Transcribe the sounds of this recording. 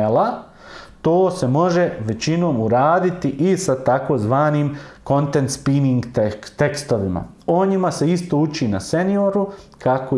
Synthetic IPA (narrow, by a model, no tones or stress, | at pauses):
ela | t̪oːse̞mo̞ʒe̞ʋe̞t͡ɕino̞ːmuɾaːd̪it̪iʔisat̪ako̞zʋaːniːmko̞nt̪e̞nt̪spiniŋɡt̪et̪e̞kst̪o̞ʋima̰ | oɲimase̞ist̪o̞ːut͡ʃiːnase̞nio̞ɾukʰako